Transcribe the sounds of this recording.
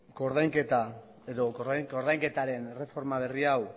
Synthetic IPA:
ɡo̞ɾðajŋket̪a | eðo̞koɾðajŋkoɾðajŋke̞t̪aɾe̞nere̞fo̞ɾmaβ̞e̞riaw

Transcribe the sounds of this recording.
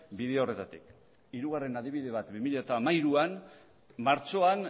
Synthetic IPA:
biðe̞o̞re̞t̪at̪ik | iɾuɣ̞are̞nað̞iβ̞iðe̞β̞at̪bimiʎaet̪aːmaiɾuan | maɾt͡ʃo̞an

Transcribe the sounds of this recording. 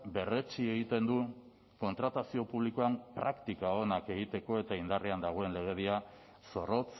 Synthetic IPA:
be̞re̞t͡ʃie̞ɣit̪e̞nd̪u | ko̞nt̪ɾat̪asio̞puβlikoampɾakt̪ikao̞nake̞ɣ̞it̪e̞ko̞e̞t̪aind̪areand̪aɣ̞o̞e̞nle̞ɣ̞eðia | so̞ro̞t͡s

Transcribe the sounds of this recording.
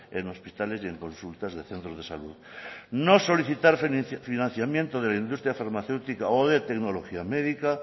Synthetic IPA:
ḛno̞spit̪alesjeŋkõ̞nsult̪azðeθent̪ɾozðesaluðnoso̞liθit̪aɾffinãnθjamjent̪oð̞elaind̪ust̪ɾjafaɾmaθe̞wt̪ikaoðet̪eknoloxiameðika

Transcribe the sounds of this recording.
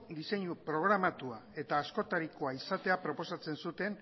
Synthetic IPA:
d̪ise̞ɲupɾo̞ɣ̞ɾamat̪uae̞t̪aːsko̞t̪aɾikoaisat̪e̞apɾo̞po̞sat͡se̞nsut̪e̞n

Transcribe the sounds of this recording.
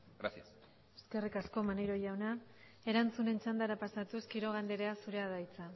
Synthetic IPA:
ɡɾasias | e̞ske̞rikasko̞manejɾo̞jawna | e̞ɾant͡sune̞nt͡ʃand̪aɾapasat̪uskiɾo̞ɣ̞and̪eɾeasuɾe̞aðajt͡sa

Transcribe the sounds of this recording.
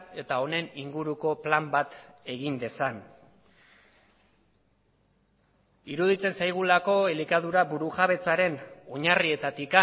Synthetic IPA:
e̞t̪ao̞ne̞niŋɡuɾuko̞plambat̪e̞ɣind̪e̞san | iɾuð̞it͡se̞nsajɣ̞ulako̞elikað̞uɾaβuɾuʝaβe̞t͡saɾe̞no̞ɲarie̞t̪at̪ika

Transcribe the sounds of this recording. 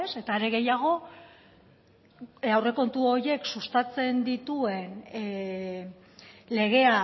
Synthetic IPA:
ese̞t̪aːɾe̞ɣe̞jaɣ̞o̞ | awre̞ko̞nt̪uo̞ɾje̞ksust̪at͡se̞nd̪it̪ue̞n | le̞ɣ̞e̞a

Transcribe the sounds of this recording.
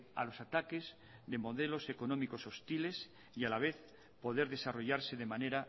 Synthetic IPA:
a̰lo̞sat̪ake̞z | ðe̞mo̞ðe̞lo̞se̞ko̞nõ̞miko̞so̞st̪ile̞s | ialaβe̞θ | po̞ðe̞ɾðe̞saro̞ʝaɾse̞ðe̞mane̞ɾa

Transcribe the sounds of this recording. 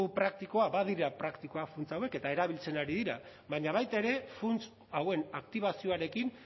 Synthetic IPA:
upɾak̚t̪ikoaβað̞iɾapɾakt̪iko̞afunt͡sawe̞ke̞t̪aeɾaβ̞ilt͡se̞naɾiðiɾa | βaɲaβ̞ajt̪aeɾe̞funt͡s | awe̞nakt̪iβ̞asio̞aɾe̞kin

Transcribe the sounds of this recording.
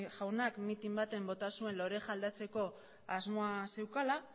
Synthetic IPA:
ʝawnakmit̪imbat̪e̞mbo̞t̪asue̞nlo̞ɾe̞xald̪at͡se̞ko̞ | azmo̞ase̞wkala

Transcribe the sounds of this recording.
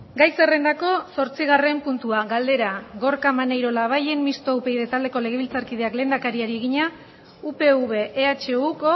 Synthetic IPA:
ɡajse̞re̞nd̪ako̞so̞ɾt͡siɣ̞are̞mpunt̪uaɣald̪e̞ɾaɣo̞ɾkamanejɾo̞laβ̞aje̞nmist̪oupe̞jðe̞t̪ald̪e̞ko̞le̞ɣ̞e̞βilt͡saɾkið̞e̞akle̞nd̪akaɾiaɾieɣ̞iɲa | upe̞uβe̞ʔːat͡ʃe̞uko

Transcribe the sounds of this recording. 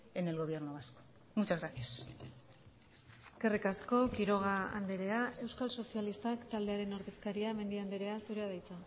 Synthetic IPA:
enelɣo̞β̞je̞ɾnoβasko̥ | mut͡ʃazɣɾasias | e̥ske̞rikasko̞kiɾo̞ɣ̞aa̰nd̪eɾe̞ae̞wskalso̞sialist̪akt̪ald̪e̞aɾe̞no̞ɾðe̞skaɾiame̞nd̪iand̪eɾe̞asuɾe̞að̞ajt͡sa

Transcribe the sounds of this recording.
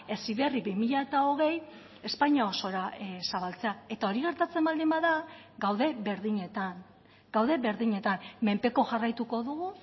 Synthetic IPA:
e̞siβe̞riβimiʎaet̪ao̞ɣ̞e̞j | e̞spaɲao̞so̞ɾasaβalt͡se̞ae̞t̪ao̞ɾiɣ̞e̞ɾt̪at͡se̞mbald̪imbaðaɡawðe̞βe̞ɾðiɲe̞t̪an | ɡ̥awðe̞βe̞ɾðiɲe̞t̪amme̞mpe̞ko̞ʝarajt̪uko̞ðuɣu

